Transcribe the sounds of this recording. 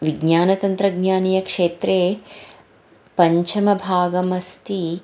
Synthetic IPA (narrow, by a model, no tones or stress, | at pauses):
ʋiɡɲaːnɐt̪ɐnt̪ɾɐɡɲaːnijɐkʂeːt̪ɾeː | pɐɲt͡ʃʰɐmɐbʱaːɡɐmɐst̪i